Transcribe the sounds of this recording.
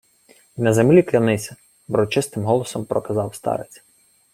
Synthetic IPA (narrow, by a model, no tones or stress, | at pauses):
nɐzemlʲiklʲɐnɪsʲɐ | bɾɔt͡ʃɪst̪ɪmɦɔlˠɔsɔmpɾɔkɐzɑwst̪ɑ̰ɾɪ̰t͡sʲ